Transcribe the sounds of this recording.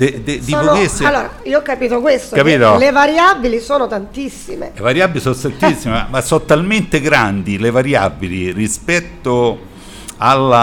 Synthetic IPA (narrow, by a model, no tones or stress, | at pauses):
d̪ed̪ed̪ikːokesalːoːɾa̰ioɔkːapiːt̪okwest̪okːapiːt̪olevaɾjabilisoːnot̪ant̪isːimḛlevaɾjabːilisonst̪ant̪isːimeamasont̪alment̪eɡɾand̪ilevaɾjabilirispɛt̪ːo | alːa